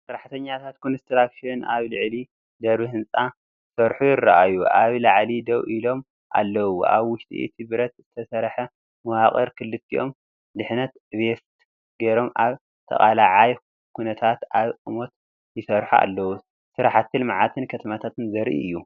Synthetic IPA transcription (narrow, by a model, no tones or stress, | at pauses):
sɨɾaħt̪ʰɐɲːat̪ʰat̪̚kʰonɐst̪ʰɐlakʃonaβlɨʕli | d̪ɐɾβɨhɨnt͡sʼa | sɐɾħujɪrːaʔajuʔaβlaʕlid̪ɐwʔilo̞m | ʔa̰lːɐwua̰βwʊʃt̪ʼḭt̪ʰiβɾɐt̪z̥ɨt̪ʰɐsɐɾħɐ | mɐwaχʼɐɾkʰɨlːɨt̪ʰːiʔo̞̰m | d̪ɨħnɐt̪βeft̪ | ɡeɾo̞mʔaβ | t̪ʰɐ̰χʼalaʕaj | kʰunɐt̪ʰat̪ʔaβʔʼɨmo̞t̪ | jɪsɐɾħua̰lːɐwu | sɨɾaħat̪ʰːɨlmaʕat̪ʰɨnkʰɐt̪ʰɐmat̪ʰat̪ɨnzɐɾʔḭʔɨjːu